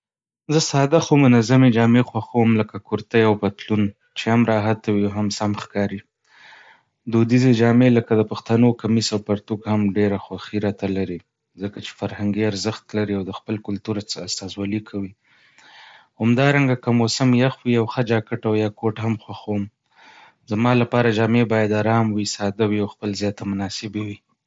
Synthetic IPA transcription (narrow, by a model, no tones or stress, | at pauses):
zəsɑd̪axomʊnazamed͡ʒɑmexwaxawəmləkakuɾt̪əjawpat̪lun | t͡ʃehamɾɑɦat̪awiawɦamsamxkɑɾi | d̪od̪ized͡ʒɑmeləkad̪əpaxt̪anokamisawpaɾt̪ukhamɖeɾaxwaxiɾɑt̪alaɾi | zəkat͡ʃe̥faɾhaŋɡiaɾzəxt̪laɾiawd̪əxpəlkʊlt̪uɾaast̪ɑzwɑlikʰawi | hamd̪ɑɾaŋɡakəmosɪmjaxwiawxəd͡ʒɑkəʈawjɑkoʈhamxwaxawm | zamɑlapɑɾad͡ʒɑmebɑjad̪aɾɑmwisɑd̪awiawxpəlzjɑt̪amʊnɑsɪbewi